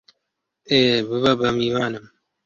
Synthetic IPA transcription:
eːbɨβɐbɐmiːwaːnɨm

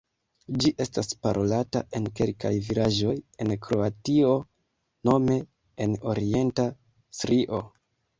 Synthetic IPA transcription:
d͡ʒiʔe̞staspaɾʔo̞lata̰ʔe̞nke̞lka̰jvilaʒo̞je̞nkɾo̞atio̞ | no̞me̞ | eno̞ɾie̞nta | sɾiʔo̞

